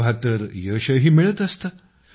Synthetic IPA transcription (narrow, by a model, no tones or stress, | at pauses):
bʱat̪əɾjəɕəɦiːmiɭət̪əst̪ə